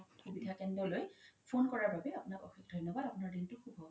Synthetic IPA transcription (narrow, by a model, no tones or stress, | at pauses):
xubidʱakɛndɹɔlojpʰonkɔɹaɹbabɛapunakɔ̰xikdʱɔjnɔbadapunaɹdintʊxubʱɔ